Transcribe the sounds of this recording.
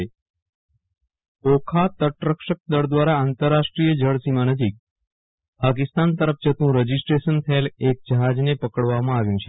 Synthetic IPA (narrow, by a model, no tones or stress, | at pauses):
e | okʰat̪əʈɾəkʃək̚d̪əɽd̪ʋaɾaːnt̪əɾːaʃʈɾijəd͡ʒəɽsimanəd͡ʒik̚ | pak̬ist̪ant̪əɾəfd͡ʒət̪ũɾəd͡ʒisʈɾeʃənt̪ʰəelek̚d͡ʒəɦad͡ʒnepəkəɽʋamãaʋjũt͡ʃʰe